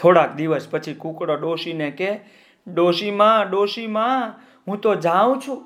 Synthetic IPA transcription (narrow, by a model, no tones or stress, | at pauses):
t̪ʰoɽak̚d̪iʋəspət͡ʃʰikũkɽoɖoʃineke | ɖoʃimãɖoʃimã | ɦũt̪od͡ʒãʋũt͡ʃʰũ